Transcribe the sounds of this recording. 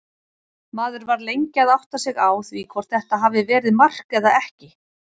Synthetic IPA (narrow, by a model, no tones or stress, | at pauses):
maːðʏɾvaɾlejɲcɪaðawht̪asɪɣaːwθvikʰvɔr̥t̪̚θɛht̪aɦaːvɪvɛːɾɪðmar̥kɛðaɛhcɪ